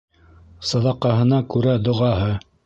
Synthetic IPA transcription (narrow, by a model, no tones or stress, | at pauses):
sɑðɑqɑɦɤ̆nɑkʉɾæd̪ŏʁɑhɤ